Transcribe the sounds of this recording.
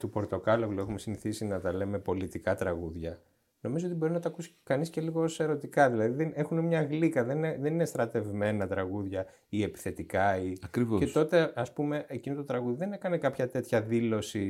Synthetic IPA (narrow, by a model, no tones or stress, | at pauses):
t̪upo̞ɾt̪o̞kɐloɣloe̞xume̞siniθisinɐt̪ɐle̞me̞po̞lit̪ikɐt̪ɾɐɣuðʝɐ | no̞mizoot̪ibo̞ɾinɐt̪ɐkusi̥kɐnisce̞liɣoose̞ɾo̞t̪ikɐðilɐðiðene̞xunemɲɐɣlikɐðe̞neðeninest̪ɾɐt̪e̞vme̞nɐt̪ɾɐɣuðʝɐ | ie̞pi̥θe̞t̪ikɐiɐkɾivoeso̞t̪e̞ɐspume̞ʔecinot̪ut̪ɾɐɣuðiðe̞ne̞kɐnekɐpçɐt̪e̞t̪çɐðilo̞si